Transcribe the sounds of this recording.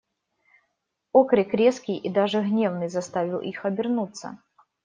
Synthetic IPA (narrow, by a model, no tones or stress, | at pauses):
okɾʲɪkɾʲeskʲijʔid̪aʐɨɣnʲevnɨjzɐst̪avʲɪlˠʔixɐbʲɪrnut̪sːə̰